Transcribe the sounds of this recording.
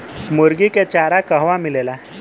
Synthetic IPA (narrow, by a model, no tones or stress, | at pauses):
moɾɡiket͡ɕaɾakəɦʋamilela